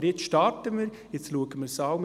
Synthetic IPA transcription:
jɪt͡sʃtɑtəmiɾ | jɪt͡sluəɡəmɪɾsɑwm

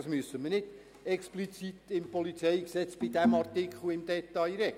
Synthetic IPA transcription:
ɑsmyəsːəmənɪd̥ | ɛksplit͡sit̪ɪmpɔlit͡sɛɪksɛt͡sb̥ɪdæmɑrtɪkχl̩ɪmd̪ɛt̪ɑjɾɛ

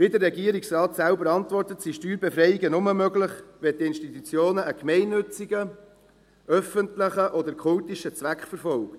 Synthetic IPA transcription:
ʋɪd̪ərːɛɡiəɾiksrɑːt̪sælbəɾɑntvɔrtət̪siʃtyːɾbefɾɛɪiɡənʊməmøɡlɪχʋɛt̚diɪnʃtit̪ut͡sjoːnəʔːkmɛɪnːʏt͡siɡə | œfəntləχəʔɔdəɾkʰʊltiʃət͡sʋækχfəɾfɔlkt

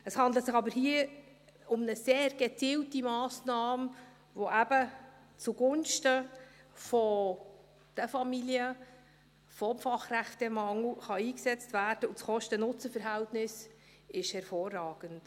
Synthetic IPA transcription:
əshɑndlətsɪχɑbəɾhiə | ʊmnəseːɾɡ̥ɛt͡siːltimɑːsnɑːm | voʔæb̥ə | t͡suɡʊnʃtə | fɔ | d̥əfɑmiliə | fɔmfɑχræχtəmɑŋl̩χɑiːksɛt͡stvæːrd̥əut͡sχɔʃtənʊt͡səfəɾɦɛltnɪs | ɪʃhɛɾfoːrːɑːɡ̥ənt

